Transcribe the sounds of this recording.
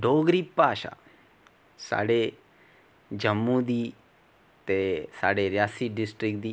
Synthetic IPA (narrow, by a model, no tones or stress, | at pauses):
ɖoːɡɾipːaːʃa̰ | sa̰ːɽe | d͡ʒəmːũd̪iː | t̪esa̰ːɽeɾjaːsiɖɪsʈɾɪkd̪i